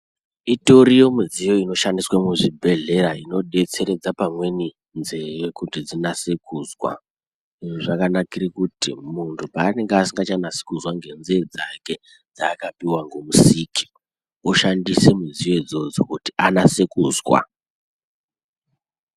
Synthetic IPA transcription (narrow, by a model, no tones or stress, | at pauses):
ito̞ɾijo̞mid͡zijo̞ino̞ʃandiswamuʐibʱe̞ɮe̞ɾaino̞ɗe̞t͡se̞ɾe̞d͡zapamwe̞ni | nzejekutid͡zinase̞kʰuːzwa̰ | iʐiʐakanakirikutimuntʰupaːne̞ŋɡeasiŋɡat͡ʃanasi̥kuzwaŋɡe̞nzed͡zake̞ | d͡zaːkapiwaŋɡo̞musiːkʰi̥ | oʃandise̞mud͡zijo̞id͡zo̞d͡zokutianase̞kuzwa̰